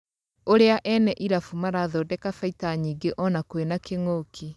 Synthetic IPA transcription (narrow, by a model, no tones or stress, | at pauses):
oɾeaʔɛnɛʔiɾafumaɾaðɔːdɛkafaitaɲiːɡeʔɔnakoenakeŋokʰi